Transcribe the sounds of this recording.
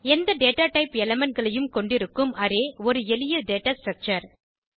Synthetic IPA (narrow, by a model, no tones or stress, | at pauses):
ɛnd̪ɐɖeːʈaːʈɐɪpɛlɐmɐɳ̚ɡɐɭɐjɯmkɔɳɖɪɾɯkːɯmɐɾeːɔɾɯɛlɪjɐɖeːʈaːsʈɾɐk̚t͡ʃɐɾ